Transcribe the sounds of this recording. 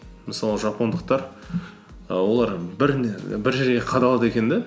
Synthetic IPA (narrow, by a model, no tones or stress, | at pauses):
məsɑlˠəʒɑpond̪əq̚t̪ɑɾ | wo̞lˠɑɾbɪɾnbɪɾʒeɾɡʲe̞qʰɑd̪ɑlˠɑd̪e̞kʲe̞nd̪e